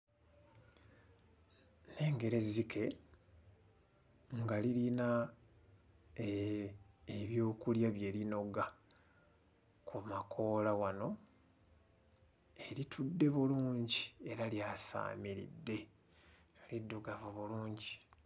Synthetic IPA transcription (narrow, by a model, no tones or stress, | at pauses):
ne̞ːŋɡe̞ɾe̞zikʰe̞ | ŋɡaliɾina | eβjo̞ːkuljaβje̞ːɾino̞ɡa | kʰumakʰo̞ːlawano̞ | e̞ɾitʰudːe̞βuluːɲɟie̞ɾaljaːsa̰ːmiɾḭdːe̞ | lidːuɡavuβuluːɲɟi